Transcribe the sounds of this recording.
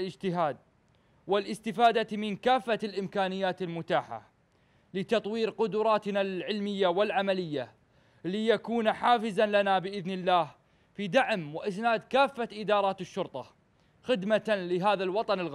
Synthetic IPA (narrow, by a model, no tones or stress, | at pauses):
lɪd͡ʒt̪ɪɦaːd̪̚ | wɪlʔɪst̪ɪfaːd̪amɪnkaːfːalʔɪmkaːnɪjːaːt̪ɪlmʊt̪aːħa̰ | lɪt̪ɑt̪ˤwiːɾqʊd̪ʊɾˤɑːt̪nalʕɪlmɪjːawɪlʕamalɪjːa | lijakuːnħaːfɪzanlanabɪʔɪðnɪlːaːh | fid̪aʕmwɪʔɪsnaːd̪kaːfːaʔɪd̪ɑːɾˤɑːt̪ɪʃːʊɾt̪ˤɑ | xɪd̪mat̪alɪɦaːðalwɑt̪ˤɑnɪlɣ